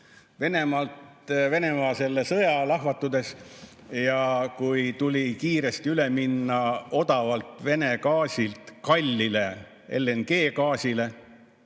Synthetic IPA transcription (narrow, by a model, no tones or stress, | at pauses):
ve̞ne̞mɑlt̪ | ve̞ne̞mɑːse̞lːesɤjɑlɑɦvɑt̪ːˑud̪̥e̞s | jɑkujt̪ulʲikiːɾe̞st̪iyle̞minːɑo̞d̪̥ɑvɑlt̪ˑve̞ne̞kɑːsʲilt̪kɑlʲːile̞ | e̞̰lːenke̞ːkɑːsʲile̞